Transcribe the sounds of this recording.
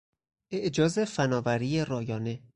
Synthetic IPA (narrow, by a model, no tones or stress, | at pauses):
ʔeʔd͡ʒɒːze̞fænɒːvæɾiːjerɒːjɒːne̞